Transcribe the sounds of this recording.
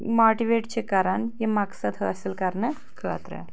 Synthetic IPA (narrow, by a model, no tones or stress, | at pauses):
mɔʈiʋeʈt͡ɕekaɾənjemaksəd̪ʱəəselkaɾnə | kʰəʋa̰t̪ɾḛ